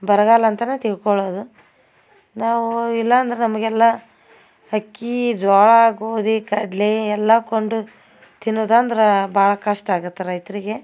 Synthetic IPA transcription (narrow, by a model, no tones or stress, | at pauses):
bɐɾɐɡaːlɐnt̪ɐnet̪iɭkoɭoːd̪u | naːʋuilːɐːnd̪ɐɾenɐmɐɡɛlːɐ | hɐkːid͡ʒɔːɭɐaːɡoːd̪ikɐɖliɛlːɐkoɳɖu | t̪inːoːd̪aːnd̪ɐɾebaːɭɐkɐʂʈaːɡut̪ːeɾɐjt̪ɾiɡe̞